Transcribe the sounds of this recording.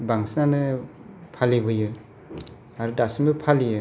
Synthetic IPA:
baŋsnanɯ | pʰalibɯjɯ | aɾudasimbɯpʰalijɯ

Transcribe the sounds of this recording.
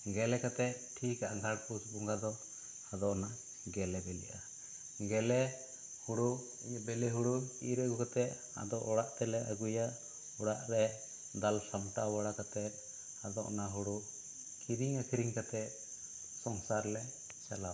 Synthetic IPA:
ɡɛlɛkat̪ɛt̪̚ʈʰikaʔaɡʱaɽpusbuŋɡad̪ɔ | ad̪ɔʔna | ɡɛlɛbɛlḭʔa | ɡɛlɛ | huɽu | iɲbɛlɛɦuɽukiɾɛɡukat̪ɛʔ | a̰d̪ɔʔɔɽaʔt̪ɛlɛʔaɡuja | uɽaʔɾɛ | d̪alsamʈawaɽakat̪ɛt̪̚ | ad̪ɔʔnaɦuɽu | kiɾiŋakʰiɾiŋkat̪ɛt̪̚ | sɔŋsaɾlɛ | t͡ʃala

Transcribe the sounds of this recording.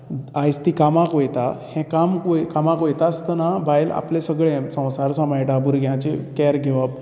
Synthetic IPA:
ajst̪ikamãkojt̪ahɛ̃kamkojkamãkojt̪ast̪ənabajla̰plesəɡɭẽsə̃w̃saɾsamajʈabuɾɡʱjãt͡ɕekɛɾɡʱeʋap̚

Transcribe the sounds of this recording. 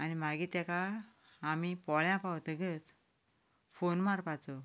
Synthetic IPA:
anim̤aɡiːt̪ɛkaː | mipɔɭjãpawt̪əɡət͡s | fonmaɾpat͡sɔ

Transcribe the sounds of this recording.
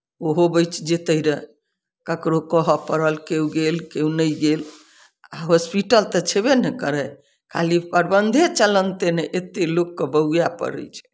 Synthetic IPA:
oɦobəjt͡ʃʰd͡ʒet̪əiɾə | kəkɾokəɦəpəɾəlkewɡelkeũnəjɡel | aɦospiʈəlt̪ət͡ʃʰebenɛkəɾɛ | kʰa̰lipəɾbənd̪ʱet͡ʃələnt̪eneʔet̪elokːəbəjapə̰ɾə̰jt͡ʃʰɛ̥

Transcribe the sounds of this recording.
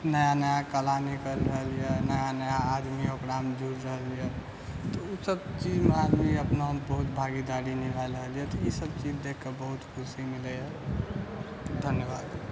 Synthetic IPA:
nəjanəjakəlanikəlɾəɦəlijɛnəjanəjaːd̪miokɾamd͡ʒʱuɾɾəɦəlijɛ | t̪ɔusəbt͡ʃid͡ʒmead̪miəpnaɦmbəɦut̪bʱaɡid̪aɾinikaləɦəlijɛt̪ɔisəb̚t͡ʃid͡ʒd̪ekʰːebəɦut̪kʰusimiləjɛ | d̪ʱənjəbaːd̪

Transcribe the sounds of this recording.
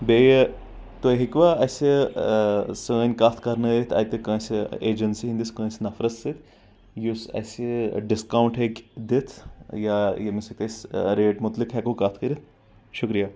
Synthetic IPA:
be | t̪oɦikʋaɐse | səənʲkaːt̪ʰkɐɾnɐit̪ʰɐ̰jt̪ekɐ̃seeːd͡ʒɐnsiɦind̪iskɐ̃ːsnɐfɾɐt̪sit̪ʰ | jusɐ̰seɖɪskaːwɳʈɦekʲd̪it̪ʰjajemisɐk̚t̪esɾeːʈmʊt̪likɦɛkokaːt̪ʰkɐɾit̪̚ʰ | ʃʊkɾijaː

